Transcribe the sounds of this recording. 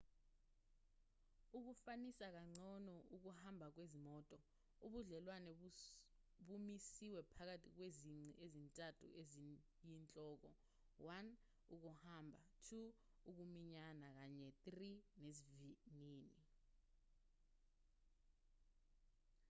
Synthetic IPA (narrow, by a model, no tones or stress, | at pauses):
uk̬ufanisak̬aŋ͡ǀʱɔnɔʔuk̬uhambʱak̬wezimɔːtʼɔ | uɓuɮɛlwanɛ | ɓumisiwɛpʰak̬atʰʼik̬weziŋ͡ǀʱiezintʼatʰṵʔezi | jint͡ɬʼɔːk̬ɔ | wan | uk̬uhambʱatʰu | uk̬umiɲanak̬aɲɛtʼrineziviniːni